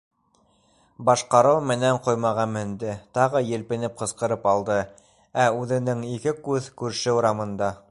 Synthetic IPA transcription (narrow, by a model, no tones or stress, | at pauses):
bɑʃqɑɾɤwmɘ̆næɴqojmɑʁɑmɘ̆nd̪ɘt̪ɑʁɤjɘ̆lpɘ̆nɘp̚qɤ̆sqɤ̆ɾɤpɑlˠd̪ɤ | æʉðɘ̆nɘŋikɘkʉðkʉɾʃɘuɾɑmɤ̆nd̪ɑ